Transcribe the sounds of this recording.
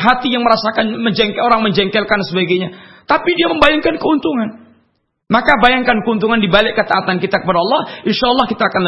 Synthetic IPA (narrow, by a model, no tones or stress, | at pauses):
ɦat̪ijaŋməɾasakanməɲd͡ʒɛŋkoɾaŋməɲd͡ʒɛŋkɛlkansəbaɡajɲat̪apidiaməmbajaŋkankəunt̪uŋan | makabajaŋkankəunt̪uŋandibalɪʔkːət̪aːt̪ankit̪akəpadaɑlːɑhʔɪnʃaːlːɑhkit̪aːkanl